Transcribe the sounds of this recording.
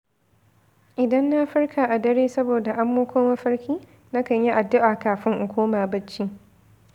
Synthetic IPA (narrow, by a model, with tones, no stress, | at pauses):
ʔɪ˨dɐ˦nːa˦ɸɪ˦ɽkʰaː˨ʔa˨dɐ˦ɽeː˦sɐ˦boː˨da˨ʔa˦mːoː˦kʷoː˦mɐ˦ɸɐ˦ɽkʲiː˦ | na˦kɐ˨ɲji˦ʔa˨dːʊ˦ʔaː˨kaː˨ɸɪ˦ŋʔʊ˨kʷoː˦maː˨bɐ˦t͡ʃːi˦